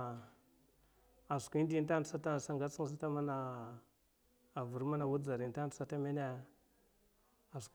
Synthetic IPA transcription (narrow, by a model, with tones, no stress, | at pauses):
a˨skʷi˦n˦di˦n˦ta˦˨˦a˦ta˦n˨sa˦ŋɡa˦t͡si˦ŋ˦s̬a˦ta˦ma˦na˨ | a˨vu˨ɾma˦na˨wu˦d͡za˨ɾi˨n˦ta˦n˨tsa˦ta˦me˦na˦ | a˨sk